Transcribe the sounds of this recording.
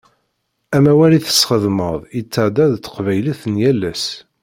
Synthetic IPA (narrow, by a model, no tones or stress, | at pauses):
æmæwæliθə̥sχəðməðˤət͡sːəʕd̪æðt̪ːə̥qvæjliθnjælːæs